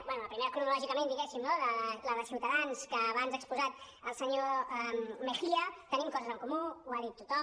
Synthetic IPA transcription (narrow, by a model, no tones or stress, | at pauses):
bwɛnuləpɾimeɾəkɾuuulɔʒikəmẽnd̪iɣɛsimnoðələðəsiwt̪əðanskəːβanzəkspuzat̪̚ | əlˠsəɲoɛmməxiət̪ənimkɔzəzəŋkumuuaðit̪ːut̪ɔ